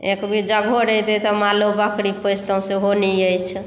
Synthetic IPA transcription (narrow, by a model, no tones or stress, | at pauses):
ekbʱid͡ʒəɡʱoɾəɦt̪et̪ɔmalobəkɽipəst̪ə̃seɦoniəjt͡ʃʰ